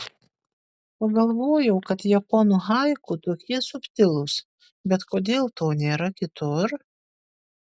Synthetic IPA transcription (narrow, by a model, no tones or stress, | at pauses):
pɐɡɐlˠʋoːjɛʊkɐt̪jɛponuːɦɐɪkʊt̪oːkʲiɛsʊpʲt̪ʲɪlˠʊs | bʲɛt̪koːd̪ʲeːlˠt̪oːnʲeːɾɐkʲɪt̪ʊɾ